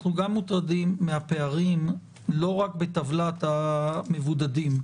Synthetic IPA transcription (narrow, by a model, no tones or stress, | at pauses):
χnuɡamːut̪ʁadimːehape̞aʁim | lo̞ʁak̚bet̪avlat̪hame̞vud̪adim